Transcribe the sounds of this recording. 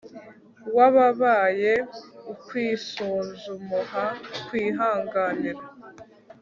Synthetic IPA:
waβaβaːje̞ukwiːsuːnzumuɦakwiːɦaːŋɡaːniɾa

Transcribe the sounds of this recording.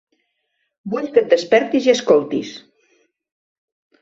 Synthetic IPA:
buʎkət̪̚əspɛɾt̪iziəskolˠt̪is

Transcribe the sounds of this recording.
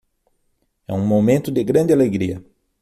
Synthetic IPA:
ɛ̰ũmomẽnt̪ʊd̪ɪɡɾɐ̃nd̪ɪaleɡɾiɐ

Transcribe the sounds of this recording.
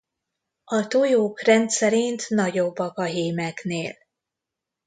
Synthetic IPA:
ɒt̪ojoːkrɛnt̪sɛɾint̪nɒɟo̞bːɒkɒɦeːmɛkneːl

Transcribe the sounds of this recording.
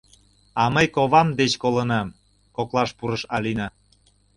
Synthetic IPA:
ɑməjkoβɑmd̪et͡ɕkolənɑm | koklɑʃpuɾəʃɑlinɑ

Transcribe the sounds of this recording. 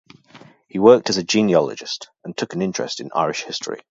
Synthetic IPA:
hiwɜˑk̚tʰəzəd͡ʒĩːniɒlə̰d͡ʒɪ̰st | ə̃ntʰʊkə̃nɪ̃nt͡ʃɹ̥ɛ̰stɪ̰̃na̰ɪɹɪʃhɪstəɹḭ

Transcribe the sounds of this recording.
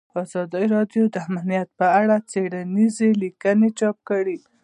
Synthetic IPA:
ɑzɑd̪əɾɑdjod̪əamnijat̪̚pəaɽat͡seɽanizelikənet͡ʃɑp̚kəɽi

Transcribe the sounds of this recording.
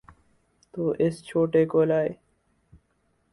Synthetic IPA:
t̪oːʔɪst͡ɕʰoːʈeːkoːlaːj

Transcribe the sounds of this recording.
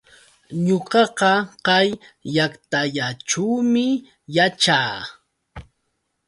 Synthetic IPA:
ɲoqɑqɑqajːakt̪aʎaʈ͡ʂuwmɪ | jat͡ʃaː

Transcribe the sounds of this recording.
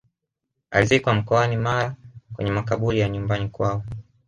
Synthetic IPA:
a̰lizikwam̩kɔanimaɾakwɛ̰ɲɛmakaɓuɾijaɲumbanikwaɔ

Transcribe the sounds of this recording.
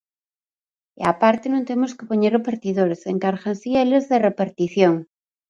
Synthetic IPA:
eapaɾt̪enõnt̪emoskepoɲerepaɾt̪iðoɾeseŋkaɾɣansielezðerepaɾt̪iθjoŋ

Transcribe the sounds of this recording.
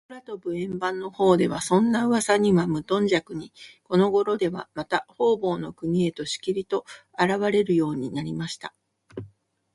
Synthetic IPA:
oɾat̪o̞bɯ̟ẽ̞mbãnːo̞ho̞ːd̪e̞β̞asõ̞nːaɯ̟βasaɲ̟iβamɯ̟t̪õ̞ɲ̟d͡ʑakɯ̟ɲ̟iko̞no̞ɡo̞ɾo̞d̪e̞β̞a̰mat̪aho̞ːbo̞ːno̞kɯ̟mʲie̞t̪o̞ɕi̥kʲiɾʲit̪o̞ | aɾaβaɾe̞ɾɯ̟jo̞ːɲ̟inaɾʲimaɕi̥t̪a

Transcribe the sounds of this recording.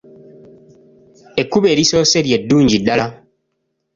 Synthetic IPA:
ekubeɾisɔseɾieduːɲd͡ʒiɗala

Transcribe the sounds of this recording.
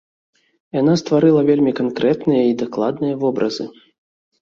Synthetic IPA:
janast̪vaɾɨlˠɐvʲelʲmʲikankɾɛt̪nɨjɐid̪aklˠa̰d̪nɨjɐvɔbɾɐz̥ɨ

